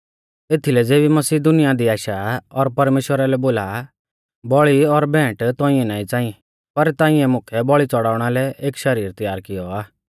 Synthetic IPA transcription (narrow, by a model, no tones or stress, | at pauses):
eːt̪ʰilɛd͡zeːbimɐsiːd̪ʊnɪjad̪iaːʃaɔɾpɐɾmeːʃwəɾalɛboːla | bɔɭiɔɾbɛ̃ːʈt̪ɔ̃ːɪ̃ɛnaːĩt͡sãːĩ | pɐɾt̪ãːɪ̃ɛmʊ̃kʰɛbɔɭit͡sɔɽaːʊɽ̃alɛʔeːkʃɐɾiːɾt̪əjaːɾkɪjɔaː